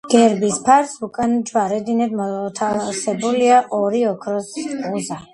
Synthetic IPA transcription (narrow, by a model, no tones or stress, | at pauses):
ɡ̥ɛɾbispʰaɾsukʼand͡ʒwaɾɛd̪inɛd̪mɔt̪ʰasɛbuliaʔɔɾiɔkʰɾɔsuza